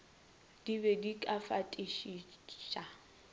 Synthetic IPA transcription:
d̥ibɛdikʼafatʼiʃiʃʼa

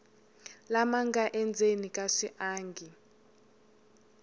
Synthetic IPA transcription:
lamaŋɡaʔɛnd͡zʱenikʼaʂiʔaːŋɡʱi

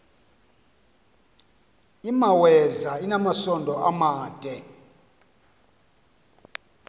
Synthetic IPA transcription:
imawɛzainamasɔndʱɔʔamaːd̥ʱɛ

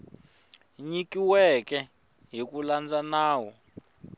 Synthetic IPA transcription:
ɲikiwɛkʼɛ | ɦikuland͡zanaːwɔ

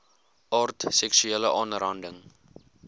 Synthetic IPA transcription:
ʔɑːrtsɛksyeːləʔɑːnrɐndəŋ

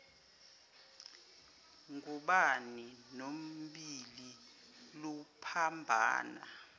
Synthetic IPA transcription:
ŋuɓaninom̩ɓili | lupʰambʱa̰ːna̰

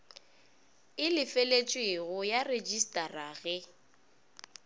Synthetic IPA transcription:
ɪlɪfelet͡ʃʼweɣʊjared͡ʒistʼaraɣɛ

